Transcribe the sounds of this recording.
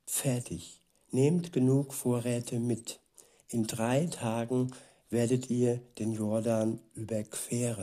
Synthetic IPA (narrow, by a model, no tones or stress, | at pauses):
fɛɐtʰɪç | neːmtɡ̥ənuːkfoːɐʁɛːtʰəmɪt | ʔɪndʁaɪtʰaːɡŋ̩ | v̥eːɐdətʰiːɐd̥eːnjɔɐdanʔyːbɐkv̥eːʁən